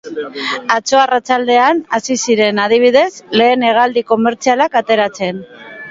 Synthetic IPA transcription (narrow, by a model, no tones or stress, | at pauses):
at͡so̞arat͡sald̪e̞anasisiɾe̞nað̞iβ̞iðe̞zle̞ːne̞ɣ̞ald̪iko̞me̞ɾt͡sialakat̪e̞ɾat͡se̞n